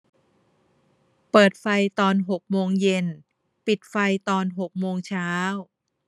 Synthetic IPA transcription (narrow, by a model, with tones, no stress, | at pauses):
pɤː˨˩t̪̚fa˧jt̪ɔː˧nɦo˨˩k̚moː˧ŋje˧n | pi˨˩t̪̚fa˧jt̪ɔː˧nɦo˨˩k̚moː˧ŋt͡ɕʰaː˦˥w